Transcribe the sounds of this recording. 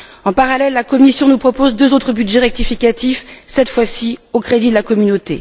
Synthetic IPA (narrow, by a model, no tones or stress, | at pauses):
ɑ̃paʁalɛlːakɔmisjɔ̃nupχɔpozd̪øzot̪χəbydʒeʁɛk̚t̪ifikʲat̪ifsɛt̪fwasiokχed̪id̪əlakɔmynot̪ḛ